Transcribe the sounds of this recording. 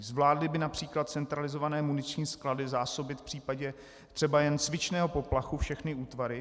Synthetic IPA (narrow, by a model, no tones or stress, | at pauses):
zvlaːdlɪbɪnapr̝̥iːklat̪̚t͡sɛnt̪ɾalɪzo̞vanɛːmunɪt͡ʃɲiːskladɪzaːso̞bɪt̪fpr̥iːpaɟɛ | t̪r̝̥ɛbajɛnt͡svɪt͡ʃnɛːɦo̞po̞plaxufʃɛxnɪuːt̪vaɾɪ